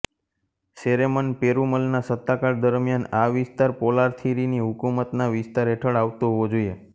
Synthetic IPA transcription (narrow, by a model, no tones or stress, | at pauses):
seɾemənpeɾuməlnasət̪ːakaɾd̪əɾmjanaʋɪst̪aɾpolaɾt̪ʰiɾiniɦʊkumət̪naʋɪst̪aɾeʈʰəɭaʋt̪oɦəʋod͡ʒoie